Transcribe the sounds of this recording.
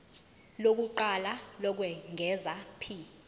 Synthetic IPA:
lok̬uǃalalɔk̬wɛŋʱɛzapʰi

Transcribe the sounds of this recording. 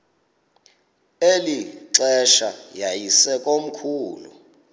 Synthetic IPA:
eliǀɛʃajajisɛkʼom̩kʰuːlṵ

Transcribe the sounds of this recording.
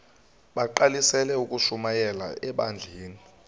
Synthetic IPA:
ɓaǃalisɛlɛuk̬ʼuʃumajɛla̰ɛɓand͡ɮʱeːni

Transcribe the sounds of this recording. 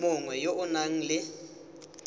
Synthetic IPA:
mʊŋwɛjoʔʊnaŋ̩lɪ

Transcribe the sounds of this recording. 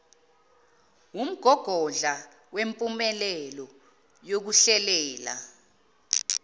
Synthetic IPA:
wum̩ɡ̥ʱɔɡ̥ʱɔɮa | wempʼumɛlɛlɔ | jok̬uɬɛlɛːla̰

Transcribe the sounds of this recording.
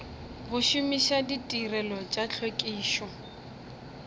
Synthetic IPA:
ɣʊʃʊmiʃaditʼirɛlɔt͡ʃʼat͡ɬʰokʼiːʃɔ

